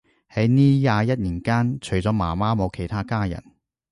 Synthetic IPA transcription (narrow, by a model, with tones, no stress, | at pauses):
hɐ˨˥jniː˥jaː˨˧jɐ˥t̚liː˨˩nkaː˥nt͡ʃʰɵ˨˩ɥt͡sɔː˨˥ma̰ː˨˩maː˥mo˨˧wkʰe˨˩jt̪ʰaː˥kaː˥jɐ̰˨˩n